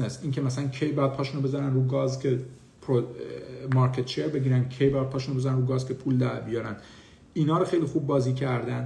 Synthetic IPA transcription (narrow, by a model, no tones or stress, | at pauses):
nesiːŋcʰemæsælæncʲʰejbejæd̪̚pʰɒːʃuːnobe̞zæɾænɾuːɡɒːzcʲʰe | pʰɾo | mɒɾkʰet̪t͡ʃeɾbe̞ɟiːɾænkʰejbejæd̪̚pʰɒːʃunobe̞zæɾænɾuːɡɒːzcʰe̞pʰuːld̪æɾbijɒːɾænd̪ | iːnɒːɾoxe̞jliːxuːb̚ːɒːziːcʰæɾd̪ænd̪